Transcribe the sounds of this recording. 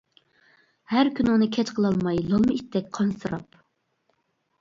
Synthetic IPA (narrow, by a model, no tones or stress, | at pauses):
hæɾkʲʰynunɨkʲʰɛt͡ʃqʰəlˠɑlˠmɑjlˠɑlˠmɨit̪ːɛk̚ʲqʰɑnsɨɾɑ̰p